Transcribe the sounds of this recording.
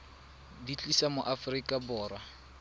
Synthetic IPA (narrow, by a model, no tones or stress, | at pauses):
dit͡ɬʼisamʊʔafrikʼabɔːrwa